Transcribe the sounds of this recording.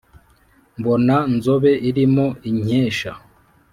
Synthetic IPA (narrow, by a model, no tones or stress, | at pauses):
mbo̞nanzoβe̞ʔiɾimoiɲeːʃa